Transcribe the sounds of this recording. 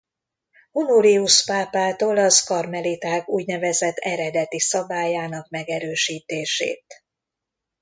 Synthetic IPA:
hunuɾiuʃpaːpaːt̪oːlɒzkɒrmɛlit̪aːkuːɟnɛvɛzɛt̪ːɛɾɛd̪ɛt̪isɒbaːjaːnɒkmɛɡɛɾøːʃiːt̪eːʃḛːt̪

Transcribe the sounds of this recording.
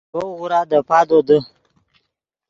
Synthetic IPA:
oɣuɾad̪əpad̪od̪ə

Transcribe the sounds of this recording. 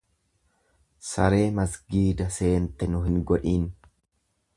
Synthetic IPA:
sɐɾe̞ːmɐsɡiːd̪ɐse̞ːnt̪ɛnʊɦɪŋɡɔᶑiːn

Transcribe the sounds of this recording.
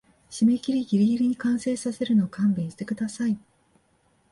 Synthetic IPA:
ɕime̞kʲiɾʲiɡʲiɾʲiɡʲiɾʲiɲ̟ikãɰ̃se̞ːsase̞ɾɯ̟no̞ːkãmbẽɰ̃ɕi̥t̪e̞kɯd̪asai

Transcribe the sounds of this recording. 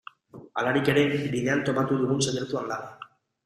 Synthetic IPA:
a̰laɾike̞ɾe̞biðe̞ant̪o̞pat̪uðuɣunsajeɾt̪uand̪a

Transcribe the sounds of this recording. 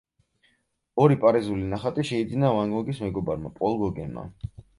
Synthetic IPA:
ɔɾipʼaɾizulinaχat̪ʼiʃɛid̪zinavaŋɡɔɡismɛɡɔbaɾma̰pʼɔlˠɡɔɡɛnma̰

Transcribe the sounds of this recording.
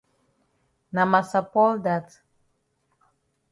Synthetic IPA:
namasapɔld̪at̪

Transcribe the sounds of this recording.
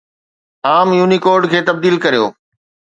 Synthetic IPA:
aːmjuːnikoːɾɖkʰeːt̪ɐb̚d̪iːlkɐɾijoː

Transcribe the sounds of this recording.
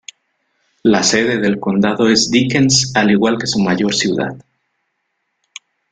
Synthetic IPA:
lase̞ðe̞ðe̞lko̞nd̪aðo̞e̞zd̪ikensaliɣwalke̞sumaʝo̞ɾsjuða̰ð

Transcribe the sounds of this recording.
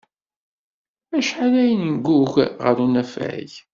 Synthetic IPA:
æʃħaɾæjənənɡuʝʁə̰ɾunæfæ̰ç

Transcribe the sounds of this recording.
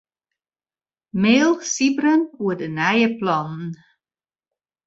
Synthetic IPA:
meːlˠsibrənuədənɛjəplɔnn

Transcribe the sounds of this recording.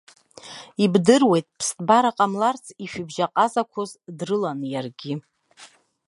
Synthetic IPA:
ibdɨrwe̞jtʼpʰstʼbaɾaqʼamlart͡sʰiʃᶣʊbʒaqʼazakʷʰʊzdrɨlanjarɡʲɪ

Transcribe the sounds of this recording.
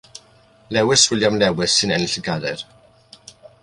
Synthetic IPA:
lɛwɪswɪljamlɛwɪsːɪnɛnɪɬəɡadɛr

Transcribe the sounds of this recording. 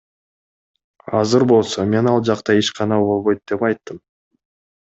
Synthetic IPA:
ɑzɯɾbo̞lˠso̞me̞nɑlˠd͡ʒɑqt̪ɑeʃqʰɑnɑbolˠβo̞jt̪̚d̪̥e̞pɑjt̪ːɯm

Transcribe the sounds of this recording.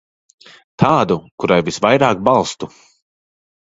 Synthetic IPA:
t̪ʰaːd̪ukuɾajvisvajɾaːk̚balˠst̪u

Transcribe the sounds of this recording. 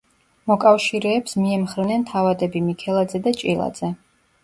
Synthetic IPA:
mɔkʼafʃiɾɛːpsmiɛmχɾnɛnt̪ʰavad̪ɛbimikʰɛlˠad̪zɛd̪at͡ʃʼilˠa̰d̪z̥ɛ

